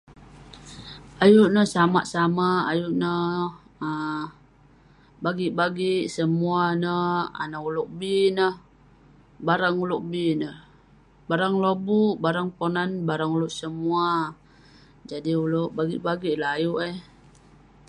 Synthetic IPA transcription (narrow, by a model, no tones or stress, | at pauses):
ajuʔnəhsamaʔsamaajuʔnə | ə | baɡiʔbaɡiʔsəmuanəa̰naulʊʔbinəh | baɾaŋuluʔbinəh | baɾaŋlobuʔbaɾaŋponanbaɾaŋulʊʔsəmua | d͡ʒadiulʊʔbaɡiʔbaɡiʔlaɦajuʔeh